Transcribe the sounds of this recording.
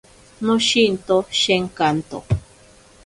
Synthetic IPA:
nõʃint̪oʃeŋkant̪o̰

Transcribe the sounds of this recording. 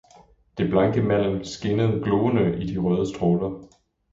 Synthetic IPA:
d̥e̝b̥lɑ̈ŋɡ̥əmæl̰m̩sɡ̥e̝nəð̞̩ˠɡ̥lɔːənəʔid̥iʁœːð̞ˠəsd̥ʁɔːlɐ

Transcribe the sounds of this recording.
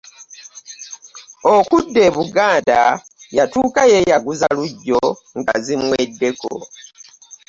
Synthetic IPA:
okudːe̞ːβuɡaːndajatuːkaje̞jaɡuzaluɟːo̞ | ŋɡa̰zimwedːe̞ko̰

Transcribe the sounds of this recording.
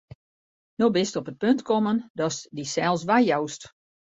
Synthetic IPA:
nobɪstɔpət̚pøntkʰɔməndɔsdisɛlˠsʋajjawst

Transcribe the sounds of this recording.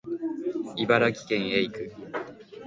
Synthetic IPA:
ibaɾakʲi̥kẽ̞ɰ̃eikɯ

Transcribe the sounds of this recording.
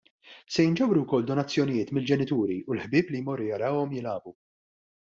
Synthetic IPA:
sɛjɪnd͡ʒɛwɾuwkɔlːd̪ɔnɐt͡sːjɔnɪjɪːt̪mɪld͡ʒɛnɪt̪uːɾiʔʊlħbɪːplijmɔrːʊjɐɾɐːwɔmjɪlɐːbu

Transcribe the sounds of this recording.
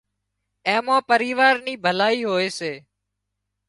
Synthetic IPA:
eɛ̃ːmãːpəɾiːʋaːɾniːbʱəlaːiːɦoːeːseː

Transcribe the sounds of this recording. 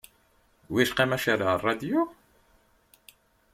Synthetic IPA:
wiʃqimæʃaɾarˤːɑd̪jo

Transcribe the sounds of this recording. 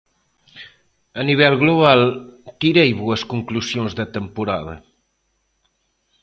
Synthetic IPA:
ɐniβɛlˠɣluβalˠt̪iɾejβoɐskuŋklusjõnzðɐt̪əmpuɾaðɐ̰

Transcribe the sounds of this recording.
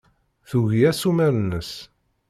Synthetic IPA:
θuʝiæsumæɾənəs

